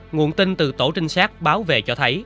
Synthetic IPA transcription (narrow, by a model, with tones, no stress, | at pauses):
ŋṵ˨ənt̪i˧nt̪ɨ˨˩t̪o˧˩t͡ɕï˧ŋ̟saː˦˥k̚ɓaː˨˦wvḛ˧˨t͡ɕɔ˧t̪ʰə˨˦j